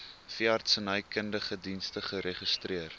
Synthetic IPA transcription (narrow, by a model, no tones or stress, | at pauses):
fiɐrtsənəjkəndəχədinstəχəɾeχistriər